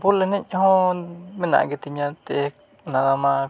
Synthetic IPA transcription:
pulenẽɲõhõmĩnã̰ɡit̪iɲãt̪e | nãðamã

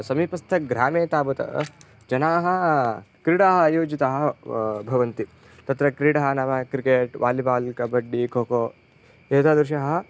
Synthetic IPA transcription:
sɐmiːpɐst̪ʰɐɡɾaːmeːt̪aːbɐt̪ɐ̰ | d͡ʒɐnaːɦɐ̆kɾiɽaːɦɐjoːd͡ʒit̪ɐɦɐbʱɐʋɐnt̪i | t̪ɐt̪ɾɐkɾiːɽɐɦɐnɐʋɐkɾikeːʈʋaːlibaːlkɐbɐɖːikoːkoː | eːt̪aːd̪ɾuʃɐɦɐ

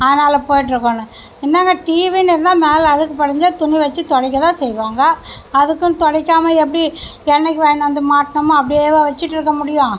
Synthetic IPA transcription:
ɐðɐnaːlɐpoːjɪʈːɪɾɯkːonɯ | ɪnːaːŋɡɐʈiːʋinɪɾɯnd̪ãːmeːlɐɾɯkːɯpɐɽɐɲd͡ʒaːt̪ʊɳiʋɐt͡ʃːɯt̪ɔɽɐɪkːɐt̪ãːsɛjʋaːŋɡɐː | ðɯkːɯt̪ɔɽɐɪkːaːmɐɛp̬ːɐɽiɛnːɐɛkʲːɯʋeːɳɖɐnd̪ɯmaːʈːɳɐmɐ̃ɐp̬ːɐɽieːʋɐʋɐt͡ʃːɪʈːɪɾɯkːɐmʊɽɪjʊ̃

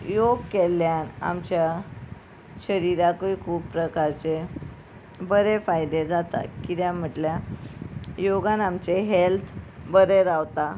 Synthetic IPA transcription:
joɡkeljana̰mt͡ɕja | ɕəɾiɾakikʰuːppɾəkaɾt͡ɕe | bəɾefajd̪ed͡zat̪a̰kit̪jãm̤əʈlja | joɡãnamt͡ɕeɦelt̪ʰbəɾeɾawt̪a

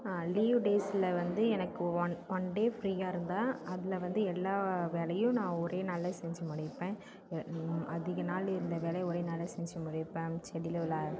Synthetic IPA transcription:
liːʋɖeːsɪlɐʋɐnd̪ɯɛnɐkːɯɐʋɔnɖeːfɾiːjaːɪɾɯnd̪ãːɐðɪlɐʋɐnd̪ɯɛlːaːʋeːɭɐjʊ̃nãːɔɾeːnɐlːɐsɛɲd͡ʒɐmʊɽɪpːẽː | ɐðɪɣɐnaːlɪɾɯnd̪ɐʋeːlɐjɔɾeːnɐlːɐsɛɲd͡ʒɐmʊɽɪpːẽːt͡ʃɛɽɪllaː

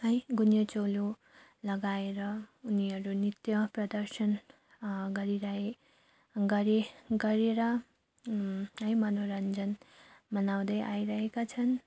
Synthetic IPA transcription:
ʌj̃ɡunjʌt͡solo | lʌɡaeɾʌuniʌɾunit̪jʌprʌd̪ʌrsʌn | ɡʌɾiɾae | ɡʌɾeɡʌɾeɾʌ | ʌjmʌnoɾʌnd͡zʌnmʌnaw̃d̪ʌjʔaiɾʌɦekat͡sʰʌn

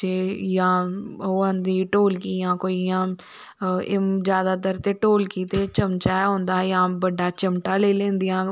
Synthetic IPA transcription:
eːjãːoːənd̪iːʈoːlkiːjãːkoːiːjãː | ɪzjaːd̪aːt̪əɾt̪eːʈoːlkiːt̪eːt͡ʃəmt͡ʃaːɛɦõːnd̪aːjãːbəɖːaːt͡ʃəmʈaːleːlẽːnd̪ɪjãː

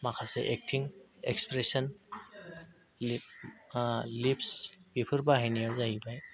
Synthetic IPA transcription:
makʰasɛʔek̚tʰiŋ | ɛ̰kspɾesɔn | lipsb̥ipʰɯɾbaɦajnijawzaɦibaj

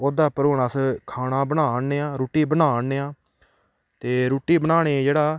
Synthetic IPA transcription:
oːd̪aːpəɾʊːnaːskʰaːnãːbənaːneːãːɾuːʈiːbənaːneːãː | t̪eːɾuːʈiːbənaːɽeːd͡ʒeːɽaː

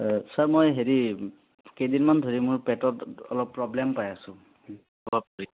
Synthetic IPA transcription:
saɹmɔjɦeɹi | kejdinmandʱoɹimʊɹpɛtɔtɔ̰lɔpːɹɔblɛmpajasʊ̃ | ɔbʱab̚koɹi

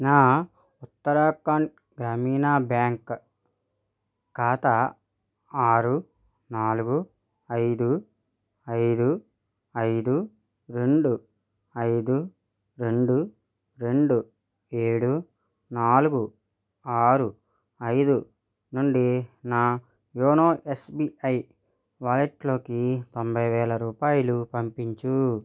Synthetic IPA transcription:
naː | ut̪ːɐɾaːkaɳ | ɡɾaːmiːnaːbjaːŋk | kaːt̪a | aːɾu | naːluɡu | ɐjd̪u | ɐjd̪u | ɐjd̪u | ɾe̞ɳɖu | ɐjd̪u | ɾe̞ɳɖu | ɾe̞ɳɖu | e̞ːɽu | naːluɡu | aːɾu | ɐjd̪u | nuɳɖinaː | joːnoːʔesbiʔɐj | ʋaːleʈlo̞ːkit̪ombʱɐjʋɛːlɐɾuːpaːjlupɐmpiɲt͡ʃu

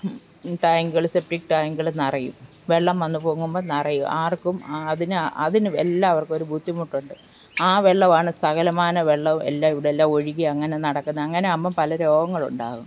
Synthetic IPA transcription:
ʈɐjŋɡɐɭsep̚ʈik̚ːʈɐjŋɡɐɭnɐrɐjṵm | ʋe̞ɭːɐmʋɐnːupoːŋːumboːnɐrɐjumʔaːrkumɐðinɨʔɐ̰ðinɨḛlːaɐʋɐrko̞ɾubʱut̪ːimuʈːuɳɖɨ | aːʋe̞ɭːɐʋaːɳɨsɐɣɐlɐmaːnɐʋeɭːɐʋuḛlːaːiʋiɽelːaːmo̞ɻiɣiɐŋːɐne̞nɐɽɐkːunːɐɐŋːɐne̞ɐmːɐmpɐlɐɾo̞ːɡɐŋːɐɭṵɳɖa̰ːɣum

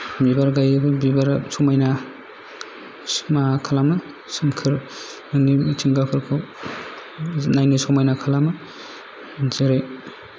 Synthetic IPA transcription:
bibaɾɡajbɐbibaɾsʰɔmajna | smakʰalamɯ | sɯmkʰɯɾ | nɯŋnitʰiŋɡakʰɯɾkʰu | najnisɔmajnakʰalamɯ | zeɾe

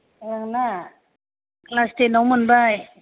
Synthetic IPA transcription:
aŋna | klast̪enɔwmɯnbaj

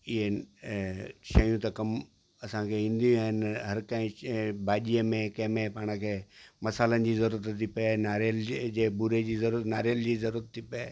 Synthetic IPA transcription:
ɪɦe | ʃɐjũt̪ɐkɐm | ɐsãkʰeĩːn̆d̪ijũaːɦɪnɦɐɾkɐ̃ɦɪ̃bʱaːʄiəmẽkɐ̃ɦmẽpaːɽ̃ə̃kʰeːmɐsaːlənɪ̆d͡ʑiːzɐɾuːɾət̪ʰːipienaːɾeld͡ʑeːbuɾed͡ʑiːzɐɾuːɾət̪naːɾeld͡ʑiːzɐɾuːɾət̪ʰːipɪe

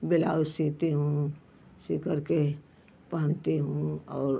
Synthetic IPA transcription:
bɪlaːwsiːt̪eɦũ | sɪkəɾke | pɐə̃nt̪eɦũɔːɾ

